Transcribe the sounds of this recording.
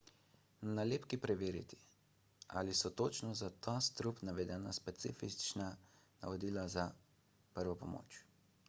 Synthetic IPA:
naleːpkipɾɛʋeːɾḭt̪i̥ | a̰ːlisɔt̪oːt͡ʃnɔzat̪ast̪ɾupnaʋɛd̪ɛːnaspɛt̪sḭːfit͡ʃna | na̰ʋɔd̪iːlaza | pəɾʋɔpɔmo̰ːt͡ʃ

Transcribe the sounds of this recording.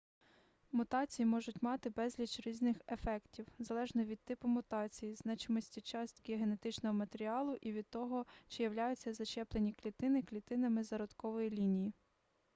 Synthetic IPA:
mʊt̪ɑt͡sʲijimɔʒʊtʲmɑt̪ɪbɛzʲlʲit͡ʃɾʲiznɪxefɛktʲiwzɐlˠɛʒnɔʋʲid̪̚t̪ːɪpʊmʊt̪ɑt͡sʲijiznɑt͡ʃɪmɔsʲtʲit͡ʃɑsʲtʲɡʲiɔɦenet̪ɪt͡ʃnɔɦɔmɐt̪eɾʲiɑlˠʊʔiʋʲid̪̚t̪ɔɦɔt͡ʃɪjɐwlʲajʊt͡sʲːɐzɐt͡ʃɛplˠenʲiklʲit̪ɪnɪklʲit̪ɪnɐmɪzɐɾɔd̪kɔʋɔjilʲinʲiji

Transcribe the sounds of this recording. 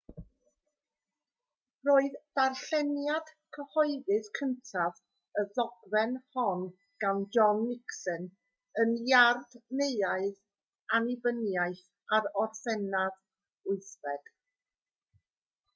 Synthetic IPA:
roːɨðdarɬɛnjad̥kʰəhɔɨðɨðkʰəntʰav | əðɔɡvɛnhɔn | ɡ̥and͡ʒɔnːɪksən | ənjardneɨaɨð | anɪvənjaɨθ | aɾɔrθɛnað | ʊɨθvɛd̥

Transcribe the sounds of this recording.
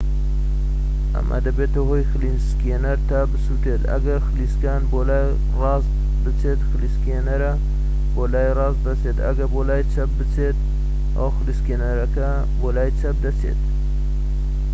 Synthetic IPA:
ɐ̰mʔa̰d̪ɐbet̪ɐɦojxɨlinskeːnɐɾt̪abɨsut̪et̪ɐ̰ɡɐɾxɨliskaːnboːlaːj | rɑːz | bɨt͡sʰet̪xɨliskeːnɐɾɐ | boːlaːjrɑːzd̪ɐt͡seːt̪ɐ̰ɡɐbolaːjt͡sʰɐp̚bɨt͡sʰeːt̪ | o̰wxɨliskeːnɐɾɐkɐ | bolaːjt͡sʰɐp̚d̪ɐt͡sʰḛt̪

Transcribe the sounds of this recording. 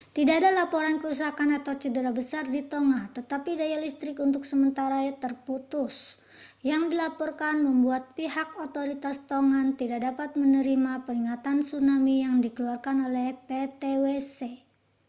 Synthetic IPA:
t̪idaːdalapoɾankəɾus̬akanat̪awt͡ʃədəɾabəsardit̪oŋat̪ət̪apidajalist̪ɾɪkunt̪ʊk̚səmənt̪aɾat̪ərput̪ʊs | jaŋdilapɔrkanməmbuat̪̚piɦak̚ot̪oɾit̪ast̪oŋant̪idak̚dapat̪̚mənəɾimapəɾiŋat̪ansunamijaŋdikəluarkanolɛhpet̪ewese

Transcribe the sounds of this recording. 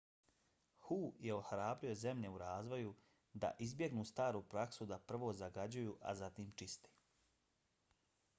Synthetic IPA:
huːjeohɾaːbɾio̞ze̞mʎe̞uɾaːzʋo̞ju | d̪a̰ʔizbje̞ɡnuːst̪aːɾupɾaksud̪apr̩ʋoːzaɡad͡ʑujuːʔa̰zat̪iːmt͡ʃist̪e̥

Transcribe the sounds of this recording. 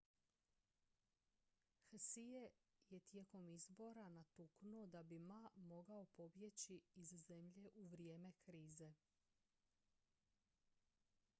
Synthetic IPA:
xsijeje̞t̪je̞ːko̞mizbo̞ɾanat̪uknud̪abimamo̞ɡaopo̞bje̞t͡ɕiːzze̞mʎe̞ʔuʋɾije̞ːme̞kɾiːze̞

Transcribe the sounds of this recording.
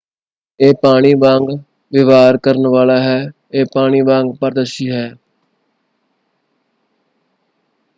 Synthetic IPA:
eːpaːɽ̃iːbãːŋɡ | ʋɪʋaːɾkəɾənʋaːlaːɦɛː | eːpaːɽ̃iːbãːŋɡpəɾd̪əʃiːɦɛː

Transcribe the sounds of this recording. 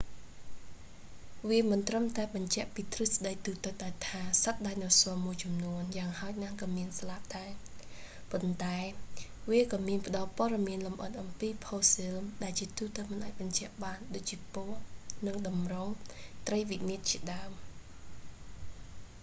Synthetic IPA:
ʋiəmɨnt̪rəmt̪aɛɓɑɲt͡ɕɛ̆əʔpiːt̪rɨsɗəj̚t̪uːt̪ɨt̪̚ɗat̪ʰaːsət̪̚ɗaːjnɔsɔəmuəjt͡ɕɑmnuənjaːŋhaɔc̚nahkɑːmiənsalaʔ̚ɗaɛ | pont̪aɛʋiəkɑːmiənpə̆ɗɑlpŏəɗɑmiənlomʔət̪̚ʔɑmpiːpʰoːsilɗaɛlt͡ɕiət̪uːt̪əmɨnʔaːc̚ɓɑɲt͡ɕɛ̆əʔɓaːnɗoːc̚t͡ɕiəpoənɨŋɗɑmroŋt̪rəjʋiʔniət̪̚t͡ɕiəɗaəm

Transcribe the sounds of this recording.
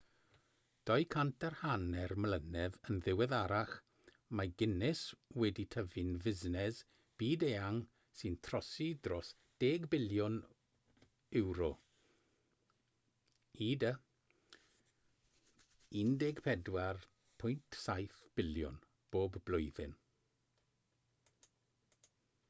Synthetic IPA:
d̥ɔjkʰantʰarhanɛrmlənɛðənðɪwɛðaɾaχ | maɡɪnɪswɛditʰəvɨnvɪznɛz | b̥iːdeaŋ | sɨntʰrɔsidrɔs | d̥eːɡbɪljʊn | ɪwɾɔ | iːdə | indɛɡpʰɛdwar | pʰʊjntʰsajθb̥ɪljʊ̰n | b̥oːbblʊjðɪn

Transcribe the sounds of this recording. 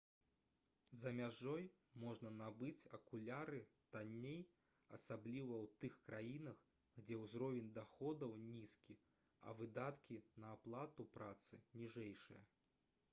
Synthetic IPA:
zɐmʲaʐɔj | mɔʐnɐnabɨt͡sʲɐkulʲaɾɨt̪anʲːej | ɐ̰sablʲivɐwt̪ɨxkɾajinɐx | ɣd͡zʲɛwzɾɔvʲɛnʲd̪axɔd̪ɐwnʲiskʲi | ɐ̰vɨd̪at̪kʲinɐːplˠat̪upɾat̪sɨnʲiʐɛjʂɨjɐ

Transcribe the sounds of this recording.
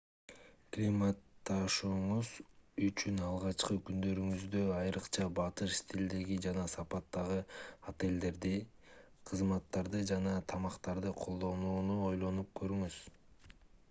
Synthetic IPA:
klʲimɑt̪ːɑʃuːɴuzyt͡ʃynɑlˠʁɑt͡ʃqɯkynd̪ø̞ɾyŋyzd̪ø̞ɑjɾɯqt͡ʃʰɑbɑt̪ɯʃst̪ʲʰild̪eɡid͡ʒɑnɑsɑpɑt̪ːɑʁɯat̪e̞ld̪e̞ɾd̪i | qʰɯzmɑt̪ːɑɾd̪ɯd͡ʒɑnɑt̪ʰɑmɑqt̪ɑɾd̪ɯqʰo̞lˠd̪o̞nuːnuo̞jlˠo̞nup̚kø̞ɾyŋyz̥

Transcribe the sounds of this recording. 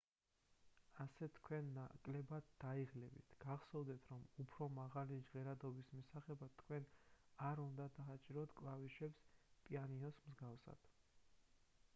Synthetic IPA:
asɛt̪ʰkʰwɛnːakʼlɛbad̪d̪aiʁlɛbḭt̪ʰɡ̥aʁsɔvd̪ɛt̪ʰɾɔmupʰɾɔmaʁalid͡ʒʁɛɾad̪ɔbismisaχɛbat̪ʰkʰwɛnaɾund̪ad̪aat͡ʃʼiɾɔt̪ʰkʼlˠaviʃɛpspʼianiɔsmzɡafsa̰d̪̥

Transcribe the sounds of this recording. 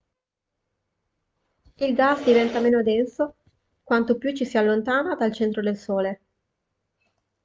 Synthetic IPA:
ilɡasd̪ivɛnt̪ameːnod̪ɛnso | kwant̪opjut͡ʃːisialːont̪aːnad̪alt͡ʃɛnt̪ɾod̪elsoːle

